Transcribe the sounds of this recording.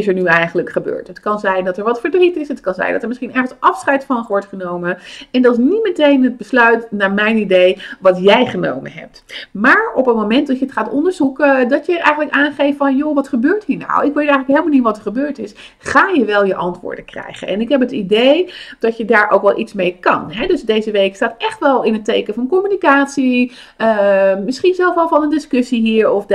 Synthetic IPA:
ɪsɛɹnyɛjχənləkχəbø̰ːɹtɦətkɑnzɛjndɑtɛɹʋɑtfəɹdritɪsɦətkɑnzɛ̰jndɑtəɹmɪsχinɛɹχən̩sɑfsχɛjtfɑnχʋɔɹtχənowməɛndɑtɪsnimətejnɦəd̚bəslœɥtnaːɹmɛjnidejʋɑtjɛjχəno̰wmə̰nɦɛ̰p̚tmaːɹɔpənmomɛntdɑtjəətχaːtɔ̰ndəɹzukdɔtjəɹʔɛ̰jχəntləkaːnχejftfɔnjoʋɑtχəbøːɹthɦiːɹna̰wɪkʋejtɛjxələkɦeɪlməlniʋɑtəɹχəbøːɹtɪs | χaːjəʋɛlˠjəʔɑntʋʊ̰ːɹdəkrɛ̰jχə̰nɛ̰nɪkɦɛpətidejd̥ɔtjədaːɹʔo̰wkʋɛlˠʔitsmejkɑ̰nɦɛdøsdejzəʋejkstaːtɛχtʋɛlˠɪnətejkəfɑnkɔmynikaːtsi | əmɪsχinzɛlˠfʋɛlˠfɑlˠnəndɪskøsiɦiːɹɔf

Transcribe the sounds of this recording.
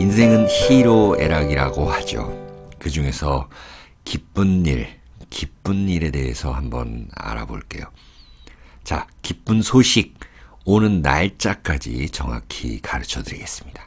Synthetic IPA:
insʰe̞ŋɯnçiɾoe̞ɾaɡiɾaɡohad͡ʑo̰kɯd͡ʑuŋe̞sʰʌ | kip͈unːiɭ | kip͈unːiɾe̞de̞ɦesʰʌhambʌ̰na̰ɾa̰bo̰ɭk͈e̞̰jo | t͡ɕakip͈unsʰoɕʰiɡ̚ | onɯnːa̰ɭt͡ɕ͈ak͈ad͡ʑḭt͡ɕʌŋa̰kʰḭkaɾɯt͡ɕʰʌdɯɾiɡe̞s͈ɯ̥mɲid̥ḁ

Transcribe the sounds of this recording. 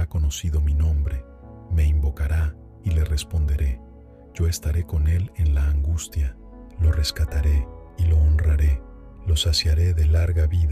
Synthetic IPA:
ako̞no̞siðo̞minõ̞mbɾe̞ | me̞imbo̞kaɾa | ile̞re̞spo̞nd̪e̞ɾe̞ | ʝ̥o̞e̞st̪aɾe̞ko̞ne̞le̞nlaːŋɡust̪ja | lo̞re̞skat̪aɾe̞ilo̞ːnraɾe̞ | lo̞sasjaɾe̞ðe̞laɾɣaβið

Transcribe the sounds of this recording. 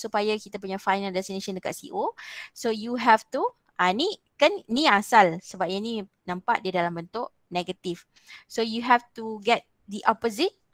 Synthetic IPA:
supajakit̪ap̬uɲafajnəldɛst̪inẽʃə̃ndəka̰ʔsḭʔosojuɦɛft̪u | ʔani | kannĩasalsəbap̚iɲanĩ | nãmpa̰ʔdiadalambənt̪ʊʔ | nɛɡət̪if | sojuɦɛft̪uɡɛt̪̚ | d̪iʔɔpozit̚

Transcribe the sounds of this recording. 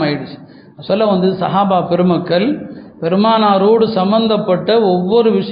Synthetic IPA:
ɐjɪɽɯt͡ʃ | ɐsɔlːɐʋɐnd̪ɯsɐɦaːbaːpɛɾɯmɐkːɐɭpɛɾɯmaːnaːɾoːɽɯsɐmbɐnd̪ɐpːɐʈːɐɔʋːɔɾɯʋɪʂɐ

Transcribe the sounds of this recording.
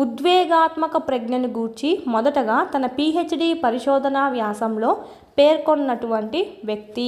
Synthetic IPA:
ud̪ʋɛːɡaːt̪mɐkɐpɾɐɡnɐniɡuːɾt͡ʃimɔd̪ɐʈɐɡaːt̪ɐnɐpiːet͡ʃɖiːpɐɾiʃɔːd̪ʱɐnaːʋjaːsɐmlo̞ː | peːɾkonːɐʈuʋɐɳʈiʋjɐk̚t̪i

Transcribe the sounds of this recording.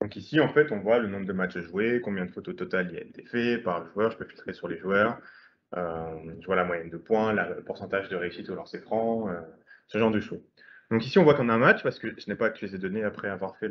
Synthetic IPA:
d̪ɔ̃kisiɑ̃fɛt̪ɔ̃vwalənɔ̃bʁəd̪əmat͡ʃaʒuekɔ̃bjɛ̃d̪əfot̪ot̪ɔt̪alia̰et̪ʰefɛpaʁləʒwœʁʒəpøfilt̪χesyʁleʒwœʁ | øʒəvwalamwajɛnd̪əpwɛ̃lapuʁsɑ̃t̪aʒd̪əʁeysit̪ulœʁsefχɑ̃øsəʒɑ̃ʁd̪əʃoz | d̪̥ɔ̃kisiɔ̃vwakɑ̃naɛ̃mat͡ʃpaʁsə̥kəʒ̥ənɛpakt̪ylezɛd̪ɔneapχɛavwaʁfɛ

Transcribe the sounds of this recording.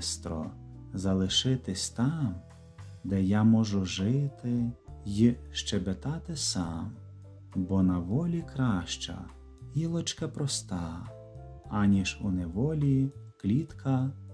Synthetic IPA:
st̪ɾɔ̰zɐlˠɪʃɪt̪ɪsʲt̪ɑm | d̪ɛjamɔʒʊʒɪt̪ɪjiʃt͡ʃɛbet̪ɑt̪ɪsɑm | bɔnɐʋɔlʲikɾɑʃt͡ʃɐ̰ | ilˠɔt͡ʃkɐpɾɔst̪ɑ | ɐnʲiʒuneʋɔlʲiklʲit̪kʰɐ

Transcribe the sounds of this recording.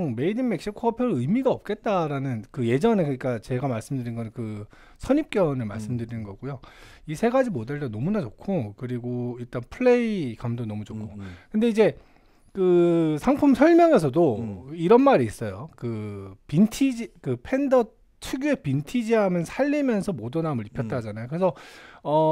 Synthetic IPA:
ŋme̞idɯnme̞k̚ɕ͈ikʰoʌpʰjʌɯjmiɡaʌp̚k͈e̞t̚t͈aɾanɯnkɯje̞d͡ʑʌne̞kɯɲik͈at͡ɕe̞ɡamaɭs͈ɯmdɯɾinɡʌnɯkɯ | sʰʌɲip̚k͈jʌnɯɭma̰ɭs͈ɯmdɯɾinɯnɡʌɡojoisʰe̞ɡad͡ʑimodeɭdonʌmunat͡ɕokʰokɯɾiɡoiɭt͈anpʰɯɭːe̞ikamdonʌmud͡ʑokʰokɯnde̞id͡ʑe̞ | kɯsʰaŋpʰumsʰʌɭmjʌŋe̞sʰʌdoiɾʌnmaɾiis͈ʌjokɯpintʰid͡ʑikɯpʰe̞ndʌ | tʰuɡjuepintʰid͡ʑiɦamjʌnsʰaʎːimjʌnsʰʌmodʌnamɯɭipʰjʌt̚t͈ad͡ʑanajokɯɾesʰʌʌ

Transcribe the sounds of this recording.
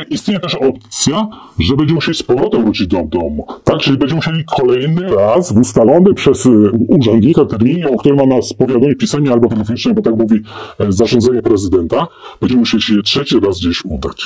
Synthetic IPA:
ʔist̪ɲejɛt̪ɛʂɔp̚t̪sʲja | ʐɛbɛɲd͡ʑɛmuɕelʲispɔvɾɔt̪ɛvɾut͡ɕid͡ʑd̪ɔd̪ɔmut̪ak̚t͡ʂɘlʲibɛɲd͡ʑɛmuɕelʲikʰɔlɛjnɘɾasvust̪alɔnɛpʂɛsuʐɛnd̪ɲikat̪ɛɾmʲiɲɛɔkt̪uɾɛmanaspɔvʲjad̪ɔɲɛpʲisaɲɛalbɔt̪ɛlɛfɔɲit͡ʂnɛbɔt̪akmuvʲizaʐɔ̃nd̪zɛɲɛpɾɛzɘd̪ɛnt̪abɛɲd͡ʑɛmmuɕeliɕɛjɛtʂɛt͡ɕiɾazɡd͡ʑeɕud̪a̰t͡ɕ

